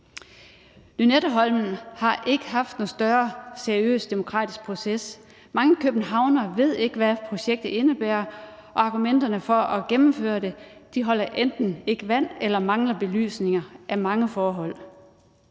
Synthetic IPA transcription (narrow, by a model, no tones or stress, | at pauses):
nynedɐɦɒ̽lmn̩hɑ̈ʔe̝ɡ̥əɦɑ̈fd̥nosd̥ɶɐseɐiø̰ːsd̥e̝mo̝kʰʁɑ̰̈ːd̥isɡ̥̚pʰʁo̝ses | mɑ̈ŋəkʰøb̥n̩ɦɑ̈ʊnɐʋe̝ð̞̰ˠe̝ɡ̥əʋæpʰʁo̝ɕeɡ̥̚d̥ð̩ˠe̝nəb̥æːɐʔɒ̽ɑ̈ɡ̥umen̰d̥ɐnəfɒ̽ʔɒ̽ɡ̥emm̩fø̰ːɐd̥e̝d̥iɦɒ̽l̰ɐʔend̥n̩e̝ɡ̥əʋæn̰elɐmɑ̈ŋlɐb̥e̝ly̰ːsne̝ŋɐʔæmɑ̈ŋəfɒːɦɒ̽l̰